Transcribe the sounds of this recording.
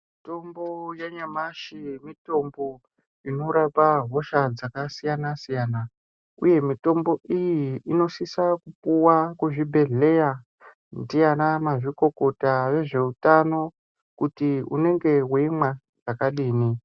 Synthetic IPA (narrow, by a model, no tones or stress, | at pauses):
mito̞mbojaɲamaʃimito̞mbo̞ | ino̞ɾapaɦo̞ʃad͡zakasijanasijaːna | ṵje̞mito̞mbo̞ʔijiino̞sisakupuwakuʐibʱe̞ɮe̞ja | ndijanamaʐiko̞ko̞taʋe̞ʐe̞utano̞ | kutiṵne̞ŋɡe̞wemwa | ʐakaɗiːni